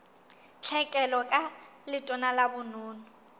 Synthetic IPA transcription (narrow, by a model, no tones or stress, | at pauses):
t͡ɬʰɛkʼɛlɔkʼalɪtʼɔnalabʊnʊːnʊ